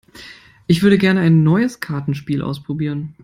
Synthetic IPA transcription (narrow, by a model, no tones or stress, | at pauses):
ʔɪçv̥ʏɐɾəɡɛɐnəaɪnːɔʏəskʰaɐtn̩ʃpiːlʔa̰ʊspʁ̥obiːʁ̞ən